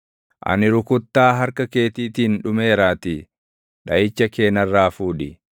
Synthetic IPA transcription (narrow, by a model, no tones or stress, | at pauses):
ʔɐ̰nɪɾʊkʊt̪ːaːɦɐɾkɐke̞ːt̪iːt̪iːnᶑʊme̞ːɾaːt̪ɪ | ᶑɐʔɪt͡ʃːɐke̞ːnɐrːaːfuːᶑɪ